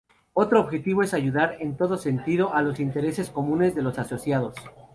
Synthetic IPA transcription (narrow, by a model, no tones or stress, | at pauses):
o̞t̪ɾoːβxe̞t̪iβo̞e̞saʝuðaɾent̪o̞ðose̞nt̪iðo̞ʔalo̞sint̪e̞ɾe̞se̞sko̞mũne̞zðe̞lo̞saso̞sjað̞o̞s